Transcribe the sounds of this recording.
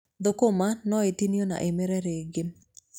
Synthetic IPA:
d̪okomanɔetiniona̰ʔemeɾɛɾeɡɪ

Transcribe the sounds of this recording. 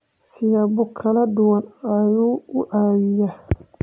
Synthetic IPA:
sɪjaːbʊkʰɐlɐd̪ʊwɑnɐjuːʊʔaːwɪja

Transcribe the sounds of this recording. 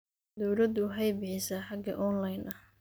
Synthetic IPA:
d̪ɔwlɐd̪ʊɦɐjbɪħɪsɐħɑɡɐʔɔnlɐjnʔɐh

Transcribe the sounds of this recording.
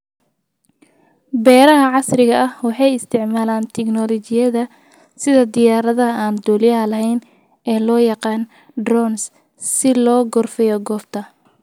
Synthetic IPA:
bɛːɾɐɦɐʕɑsrɪɣɐʔɐhwɑħɑjɪst̪ʰɪʕmaːlaːnt̪ʰɛknɔlɔt͡ʃɪjɐðɐ | sɪðɐd̪ɪjaːɾɐðɐɐaːnd̪ɔːljɐɦɐlɐɦɛjn | ʔɛːlɔːjɑqɑːn | ɖrɔns | sɪlɔːɡɔrfɛjɔɡɔːft̪ʰɐ

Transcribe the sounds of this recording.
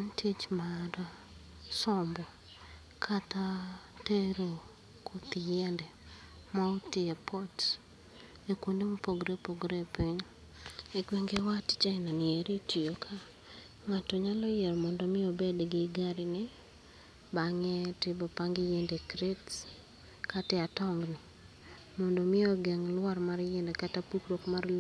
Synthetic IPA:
ntʰit͡ʃmada | sɔmbɔ | kʰat̪a | teɾo | kʰot̪ɪjɛndɛ | mɔotɪepʰɔt | ekwondemopoɡɾepoɡɾepiɲ | eɡweŋɡewatt͡ʃaɪnanɪɛɾitijokʰa | ŋatɔɲalɔjɛɾɔmɔndɔmɪobedɡɪɡaɾɪnɪ | baŋɛtɪbɔpaŋɡɪjɛndɛkɾets | katɛatɔŋɡnɪ | mɔndɔmɪoɡɛŋlwarmarjɛndɛkatapukɾokmarl

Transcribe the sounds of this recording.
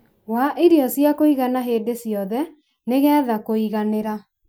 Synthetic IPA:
waʔeɾjɔsjakoiɣanaɦeːdesjɔðɛ | neɣɛːðakoiɣaneɾa

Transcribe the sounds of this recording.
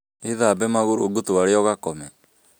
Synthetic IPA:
eðabɛmaɣoɾoːɡotowaɾeɔɣakɔmɛ

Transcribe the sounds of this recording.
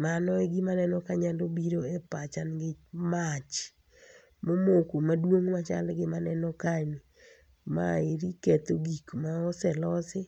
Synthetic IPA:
manɔeɡimanɛnɔkaɲalobiɾoɛpat͡ʃanɡɪmat͡ʃ | momokumadwoŋmat͡ʃa̰lɡɪmanɛnɔkani | ma̰eɾikɛt̪oɡikmaɔsɛlɔsɪ

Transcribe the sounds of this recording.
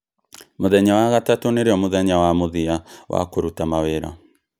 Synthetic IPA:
moðɛɲawaɣatatoneɾeɔmoðɛɲawamoðiawa̰koɾutamaweɾɔ̰

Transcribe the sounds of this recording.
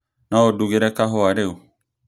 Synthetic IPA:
naoduɡeɾɛkaɦɔaɾeu

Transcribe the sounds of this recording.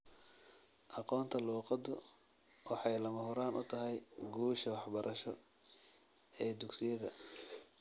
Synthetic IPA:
ʔɑqɔːnt̪ʰɐluːqɑd̪ʊ | wɑħɑjlɐmɐhʊɾaːnʔʊt̪ʰɐɦɛjɡuːʃɐwɑħbɐɾʔɐʃɔ | ɛːd̪ʊɡsɪjɐðɐ

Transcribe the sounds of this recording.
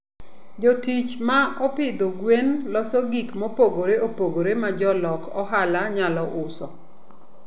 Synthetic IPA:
d͡ʒotit͡ʃmaɔpɪd̪oɡwenlɔsɔɡikmopoɡoɾeopoɡoɾemad͡ʒɔlɔkɔɦalaɲalɔʔʊsɔ

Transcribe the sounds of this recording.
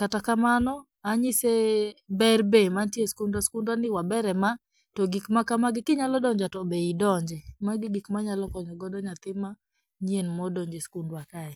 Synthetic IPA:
katakamanɔ | aɲɪsebɛrbemantjeskundwaskundwanɪwabɛɾɛma | toɡikmakamaɡɪkɪɲalɔdɔɲd͡ʒatɔbeidɔɲd͡ʒɛmaɡɪɡikmaɲalɔkɔɲɔɡɔdɔɲat̪ɪma | ɲienmɔdɔɲd͡ʒeskundwakaɛ

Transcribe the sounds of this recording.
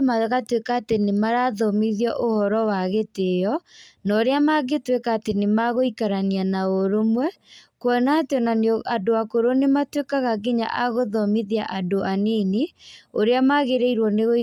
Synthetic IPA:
maɣatwekaːtenemaɾaðɔmiðjɔʔohɔɾɔwaɣetejɔnɔɾeamaɣetwekaːtenemaɣoikaɾanianaoɾomwɛ | kwɔnateɔnanadoakoɾonematwekaɣaɡeɲa̰ʔaɣoðɔmiðia̰ʔadoʔanineoɾeamaɣeɾeiɾwɔneɣo

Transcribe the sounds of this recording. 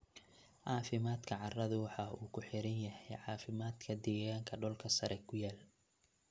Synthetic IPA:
ʕɑːfɪmaːd̪kʰɐʕɑrɐðʊwɑħɑːuːkʰʊħɪɾɐnjɐhɛjʕɑːfɪmaːd̪kʰɐd̪ɛːɣaːŋkʰɐɖɔːlkʰɐsɐɾʔɛkʰʊjaːl

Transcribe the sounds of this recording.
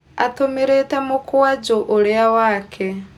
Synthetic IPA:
at̪ʰomiɾɛtamukʰuwad͡ʒɔʔɔɺɛawaːkʰɛ

